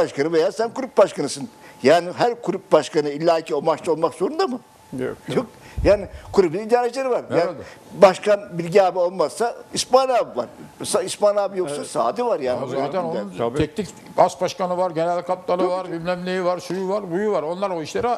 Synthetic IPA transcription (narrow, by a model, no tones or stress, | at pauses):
aʃkʰanɯvejasænkuɾyp̚baʃkanɯsɯnjaːniɦæɾkʰuɾyp̚baʃkanɯilʲːaːicʰio̞lˠmaʃt͡ʃao̞lˠmakzo̞ɾund̪amɯ | ok̚jaːnɪkʰuɾubinid̪aːɾet͡ʃlʲeɾivaɾjaːbaʃkanbilʲɟiaːbio̞lˠmazsaispanabva̰ɾsaispanaːbijoksasa̰ːd̪ivaɾjaːnizat̪ʰɛnonʰɛk̚nik | basbaʃkanɯvaɾɟenælʲkʰaplˠanovaɾbimlʲɛmlʲejivaɾsujuvaɾbujuvaɾo̞nlˠaɾoiʃlʲeɾi